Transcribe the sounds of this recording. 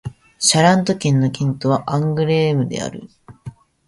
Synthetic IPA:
ɕaɾãnt̪o̞kʲẽ̞nːo̞kʲĩnt̪o̞β̞aʔãŋɡɯ̟ɾeːmɯ̟d̪e̞̰a̰ɾɯ̟̰

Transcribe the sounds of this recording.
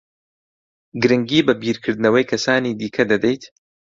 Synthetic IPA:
ɡɨɾɨŋɡiːbɐbiːɾkʰɨɾd̪ɨnɐwɐjkʰɐsaːniːd̪iːkʰɐd̪ɐd̪ɛjt̪

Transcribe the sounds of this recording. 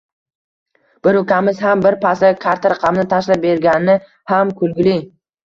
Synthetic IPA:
b̥ɪɾʊkʲamɪz̥hambɪɾpʰasakʰaɾt̪ʰaɾaqʰɑmɪnɪt̪ʰaʃlap̚be̞ɾɡʲanɪnɪ | hamkʰʊlɡʲɪlɪ

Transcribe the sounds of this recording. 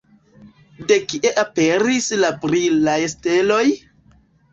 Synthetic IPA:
de̞kiʔe̞ʔape̞ɾislapɾilajeste̞lo̞j

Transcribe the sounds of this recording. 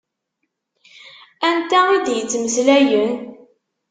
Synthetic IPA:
ænt̪æʊðjət͡sːməslæjən

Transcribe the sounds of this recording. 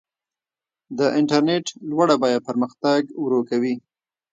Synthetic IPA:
d̪əʔɪɳʈaɾneʈlwaɽabɑjad̪̚pəɾməxt̪aɡwɾokawi

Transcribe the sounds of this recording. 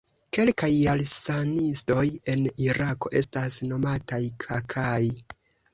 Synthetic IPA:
ke̞lkajalsanisto̞je̞niɾako̞̰ʔe̞stasno̞matajkʰakʰaj

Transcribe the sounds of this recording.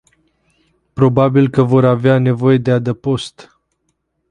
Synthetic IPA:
pɾo̞babilkəvo̞ɾaveane̞vo̞je̞d̪ead̪əpo̞st̪

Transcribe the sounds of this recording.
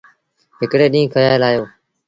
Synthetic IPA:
ɦɪkɽeːɗĩːkʰəjaːelaːjoː

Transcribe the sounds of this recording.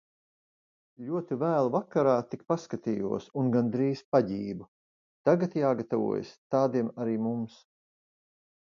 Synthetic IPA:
ʎʲuɔt̪ivæːlˠvakaɾaːt̪ikpaskat̪iːjṵɔsunɡand̪ɾiːspaɟiːbu | t̪aɡat̪jaːɡat̪avṵɔ̰j̰st̪aːd̪iɛmaɾiːmums

